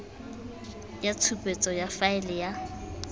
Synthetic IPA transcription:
jat͡sʰupʼet͡sʼɔjafaɪlɛja

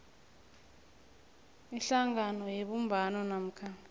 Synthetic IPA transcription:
iɬaŋanɔjeɓumbʱanɔnam̩kʰa

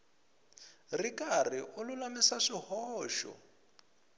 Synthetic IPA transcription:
rikʼariʔʊlʊlamisaʂihɔːʃɔ̰

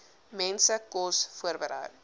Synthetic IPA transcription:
mɛnsəkɔsfuərbəɾə̰ɥ

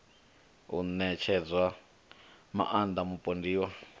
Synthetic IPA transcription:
ṵnɛt͡ʃʰɛd͡zʷwa | ma̰ʔand̪amupʼondiːwa

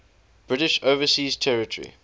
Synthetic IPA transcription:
b̥ɹɪɾɪʃoʊvəsiːztʰɛɹɪtʰəɹḭ

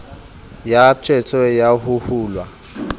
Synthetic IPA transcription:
jat͡ʃʰʼɛt͡sʰʼɔjaɦuhuːlwa

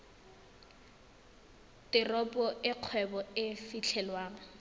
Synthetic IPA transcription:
tʼɪrɔpʼɔʔɪq͡χʰwɛbɔɪfit͡ɬʰɛlwaːŋa

